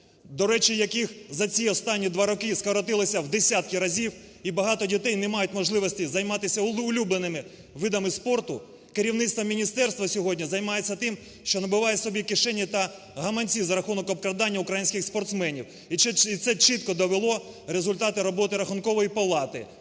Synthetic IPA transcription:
d̪ɔɾɛt͡ʃijɐkixzɐt͡sʲiɔst̪ɑnʲːid̪ʋɑɾɔkɪskɐɾɔt̪ɪlˠɔsʲɐwd̪esʲat̪̚kʲɪɾɐzʲiw | ibɐɦɑt̪ɔdʲit̪ɛjnemɑjʊtʲmɔʒlˠɪʋɔsʲtʲizɐjmɑt̪ɪsʲɐʊlʲublˠenɪmɪ | ʋɪd̪ɐmɪspɔrt̪ʊ | keɾʲiwnɪt̪st̪ʋɐmʲinʲist̪ɛrst̪ʋɐsʲɔɦɔdʲnʲizɐjmɑjet͡sʲːɐt̪ɪm | ʃt͡ʃɔnɐbʊʋɑjɛsɔbʲikɪʃɛnʲːit̪ɐ | ɦɐmɐnʲt͡sʲizɐɾɐxunɔkɔp̚kɾɐd̪ɑnʲːɐʊkɾɐjinʲsʲkʲɪxspɔrt̪smɛnʲiw | it̪sɛt͡ʃɪt̪̚kɔd̪ɔʋelˠɔ | ɾezʊlʲt̪ɑt̪ɪɾɔbɔt̪ɪɾɐxʊnkɔʋɔjipɐlˠɑt̪ɪ̰

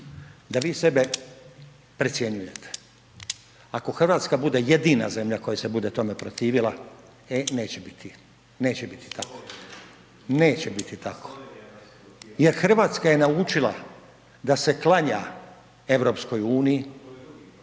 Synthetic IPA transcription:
d̪aʋiːse̞be̞ | pɾet̪sje̞ɲuje̞t̪e̥ | ako̞xrʋaːt̪skabud̪e̞je̞d̪iːna̰ze̞mʎako̞jase̞bud̪e̞t̪o̞me̞pɾot̪iːʋilˠa | ene̞ːt͡ɕebit̪ʰi | ne̞ːt͡ɕebit̪i̥t̪akʰo̥ | neːt͡ɕebit̪it̪akʰo̥ | je̞ɾxr̩ʋaːt̪skaje̞nauːt͡ʃilˠa̰ | d̪ase̞klˠaɲa | e̞ʋɾo̞ːpsko̞juːniji

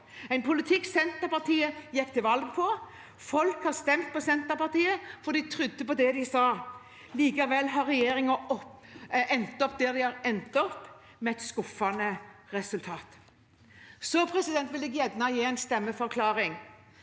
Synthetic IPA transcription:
æɪnpʰʊlɪt̪ʰɪkːsɛnt̪əɾpɑʁt̪ʰiːəjɛkːt̪ʰɪʋɑlɡpʰɔ | fɔlkhɑɾst̪ɛmt̪̚pʰɔsɛnt̪əɾpɑʁt̪iːəfɔd̪ɪt̪ʰɾʏd̪ːəpɔd̪ɛd̪ɪsɑː | liːkɑʋɛlːɦɑɾɛjeːɾɪŋəɔ | ɛnt̪ɔp̚d̪ɛd̪ɪhɑɾɛnt̪ɔpː | mɛɛt̪skʊfːɑnəɾɛsʉlt̪ʰɑːt̪ | sɔpʰɾɛsɪd̪ɛnt̪ʋɪlɪɡjɛd̪nɑjeːæɪnst̪ɛmːəfɔɾkʰlɑːɾɪŋ

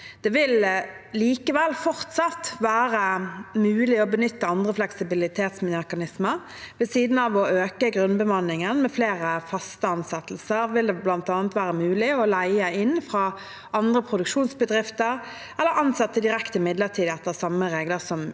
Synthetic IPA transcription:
d̪̥ɛʋɪl | liːkəʋɛlfɔʁt̪sɑt̪ʋæːʁəmʉːlɪɔbənʏt̪ːəɑnd̪ʁəflɛksɪbɪlɪt̪ʰeːt̪smnɛkɑnɪsməʁ | ʋɛsiːd̪n̩ɑʋɔʔøːkəɡʁʉnbəmɑnɪŋənmɛfleːʁəfɑst̪əɑnsɛt̪l̩səʁʋɪld̪ɛblɑnt̪ɑːnət̪ʋæːʁəmʉːlɪɔlæɪəɪnːfʁɑː | ɑnd̪ʁəpʰʁʊd̪ʉkʃuːnsbəd̪ʁɪft̪əʁ | ɛlːəɾɑnsɛt̪ːəd̪ɪɾɛkt̪ɪmɪd̪ləʁt̪ʰiːd̪ɛt̪ːəʁsɑməʁeːɡləʁsɔm

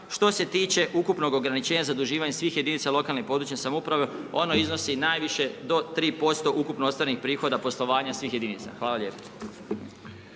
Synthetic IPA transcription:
ʃt̪o̞se̞t̪iːt͡ɕe̞ʔukupno̞ɡo̞ɡɾanit͡ɕe̞ːɲazad̪uʒiːʋaɲesʋiːxje̞d̪iniːt̪salo̞kalnepod̪ɾuːt͡ɕɲesamoupɾaʋeo̞no̞izno̞sinaːjʋiʃe̞d̪o̞t̪ɾiːpo̞st̪o̞ʔukupnoost̪aɾnixpɾiːxo̞d̪apo̞slˠo̞ʋaːɲasʋiːxjed̪iniːt̪sa̰xʋaːlaljepo̥

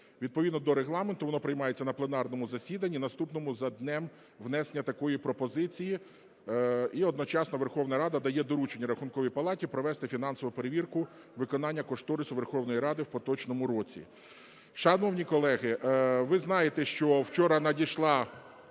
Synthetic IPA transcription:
ʋʲid̪̚pɔʋʲid̪nɔd̪ɔɾeɦlˠɑment̪ʊʋɔnɔpɾɪjmɑjet͡sʲːɐnɐplˠenɑrnɔmʊzɐsʲid̪ɐnʲːinɐst̪upnɔmʊzɐd̪nɛm | ʋnɛsenʲːɐt̪ɐkɔjipɾɔpɔzɪt͡sʲiji | iɔd̪nɔt͡ʃɑsnɔʋerxɔwnɐɾɑd̪ɐd̪ɐjɛd̪ɔɾut͡ʃenʲːɐɾɐxʊnkɔʋʲijpɐlˠɑtʲipɾɔʋɛst̪ɪfʲin̪ɑnsɔʋʊpeɾeʋʲirkʊ | ʋɪkɔn̪ɑnʲːɐkɔʃt̪ɔɾɪsʊʋe̞rxɔwnɔjiɾɑd̪ɪwpɔt̪ɔt͡ʃnɔmʊɾɔt͡sʲḭ | ʃɐnɔwnʲikɔlˠɛɦɪʋɪznɑjet̪ɛʃt͡ʃɔwt͡ʃɔɾɐnɐdʲiʃlˠɑ

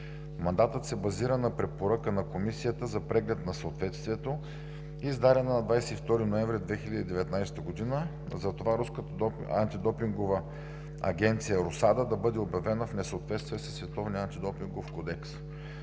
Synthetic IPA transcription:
mɐnd̪at̪ət̪sɛbɐziɾənɐpɾɛpoɾakənɐkomisijət̪əzɐpɾɛɡlɛt̪nɐsɐːt̪vɛt̪st̪viɛt̪o | iːzd̪aɾʲɛnənɐd̪vajsɛift̪ɔɾinoɛ̃ɱvɾid̪vɛxilʲəd̪id̪ɛvɛt̪najst̪əɡod̪inə | zɐt̪ovaɾuskət̪ | a̰nt̪id̪ɔpiŋɡovə | ɐ̰ɡʲɛnt̪sijəɾosad̪əd̪ɐbɤd̪ɛobjɐvɛnəfnɛsəot̪vɛt̪st̪vʲijəsɛ̥svɛt̪ɔvniant̪id̪ɔpiŋɡofkɔd̪ɛks

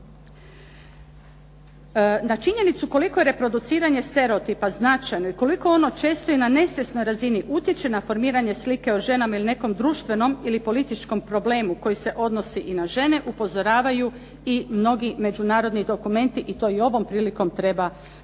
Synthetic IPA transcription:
nat͡ʃiɲe̞nit̪suko̞liko̞je̞ɾe̞pɾo̞d̪ut̪siːɾaɲe̞st̪e̞ɾeot̪ipaznat͡ʃajno̞iko̞liko̞o̞not͡ʃe̞ːst̪o̞inane̞sʋʲje̞sno̞jɾaziniʔut̪je̞t͡ʃenafo̞ɾmiːɾaɲe̞slike̞oʒe̞namailine̞ko̞md̪ɾuːʃt̪ʋe̞no̞milipo̞lit̪it͡ʃko̞mpɾo̞ble̞ːmuko̞jise̞ʔo̞d̪no̞siʔinaʒe̞ne̞ʔupo̞zo̞ɾaːʋaju | imno̞ɡime̞d͡ʒunaːɾo̞d̪nid̪o̞kume̞nt̪iʔit̪o̞io̞ʋo̞mpɾiːliko̞mt̪ɾe̞ba

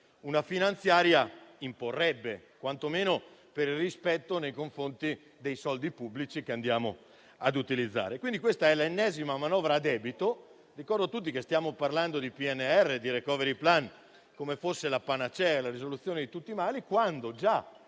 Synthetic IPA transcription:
unafinant̪sjaːɾjaimporːɛbːekwant̪omeːnopeɾilrispɛt̪ːonejkoɱfɾont̪i | d̪ejsɔld̪ipubːlit͡ʃikeand̪jaːmo̰ | ad̪ut̪ilid̪zːa̰ːɾekwind̪ikwest̪aɛlenːɛːzimamanɔːvɾaːd̪ɛːbit̪o | rikɔrd̪ot̪ut̪̬ːikest̪jaːmoparland̪od̪ipiɛnːeɛrːed̪iɾekɔːveɾiplan | komefosːelapanat͡ʃɛlaɾizolut̪sːjoːned̪it̪ut̪ːimaːlikwand̪od͡ʒa

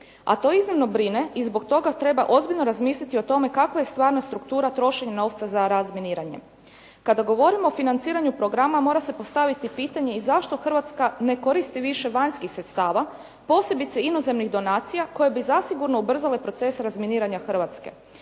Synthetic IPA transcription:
a̰t̪o̞iznimno̞bɾine̞ʔizbo̞kt̪o̞ɡat̪ɾe̞ba̰ʔo̞zbiʎno̞ɾazmiːslʲit̪io̞t̪o̞me̞kakʋaje̞st̪ʋaːɾnast̪ɾukt̪uːɾat̪ɾo̞ʃe̞ɲano̞ːʋt̪sazaɾazminiːɾaɲe | kad̪aɡo̞ʋo̞ɾimoːfinant̪siːɾaɲupɾo̞ɡɾamamo̞ːɾase̞po̞st̪aʋit̪ipiːt̪aɲe̞izaʃt̪o̞xr̩ʋat̪skane̞ko̞ɾist̪iʋiʃe̞ʋaɲskixsɾet̪st̪aːʋa | po̞ːse̞bit̪seino̞ze̞mniɣd̪o̞naːt̪sijako̞jebizasiɡuɾno̞ubr̩zale̞pɾo̞t̪se̞sɾazminiːɾaɲaxr̩ʋat̪ske̞̰

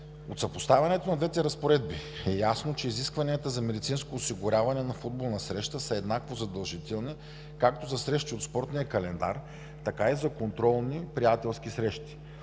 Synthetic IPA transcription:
ot̪sɐpost̪avʲɐnɛt̪onɐd̪vɛt̪ɛɾɐspoɾɛd̪̚biɛjasnot͡ʃɛiziskvɐniət̪əzɐmɛd̪it̪sinskoːsiɡʊɾʲavɐnɛnɐfud̪̚bolˠnɐsɾɛʃt̪əsəɛd̪nakvozɐd̪ɐlˠʒit̪ɛlˠni | kak̚t̪ozɐsɾɛʃt̪iot̪spɔɾt̪nijɐkɐlɛnd̪a̰ɾ | t̪ɐkaizɐkont̪ɾɔlˠnipɾijat̪ɛlˠsk̟isɾɛʃt̪i̥

